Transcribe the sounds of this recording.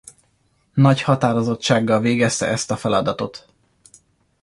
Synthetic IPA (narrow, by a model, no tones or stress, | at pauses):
nɒchɒt̪aːɾo̞zo̞t͡ʃːaːɡːɒlveːɡɛst̪ɛ̰ʔɛst̪ɒfɛlɒd̪ɒt̪o̞t̪